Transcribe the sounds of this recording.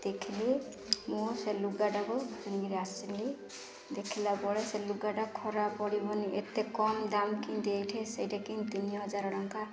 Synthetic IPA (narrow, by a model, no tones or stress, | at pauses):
d̪̥ekʰili | museluɡaɖaɡɔaniɡɾiasili | d̪ekʰilabɔɭeseluɡaɖakʰɔɾapɔɽibɔniʔet̪ekɔmd̪amkint̪ejʈʰɛsejdakint̪inijɦɔzaɾɔɽɔŋka